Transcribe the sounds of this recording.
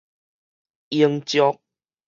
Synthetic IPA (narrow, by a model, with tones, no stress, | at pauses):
i˧əŋt͡ɕjɔ˦k̚